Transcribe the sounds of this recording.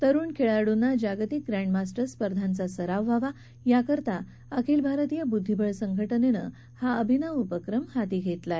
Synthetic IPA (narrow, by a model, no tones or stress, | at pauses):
t̪əɾuːɳkʰeɭaɽunːad͡ʑaɡt̪ik̚ɡɾæ̃ɳɖmasʈəɾspəɾd̪ʱant͡sasəɾaʋːaʋa | jakəɾt̪a | əkʰelbʱaɾət̪ijabud̪ʱːibʱəɭsəŋɡʱəʈənenə̰ | haəbʱinaupəkɾəmhat̪iɡʱet̪lae